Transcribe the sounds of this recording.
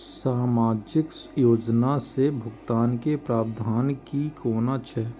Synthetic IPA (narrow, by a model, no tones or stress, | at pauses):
saːmaːd͡ʒɪkjoːd͡ʒnasebʱʊɡt̪aːnkepɾaːbd̪ʱaːnkikoːnat͡ʃʰɛː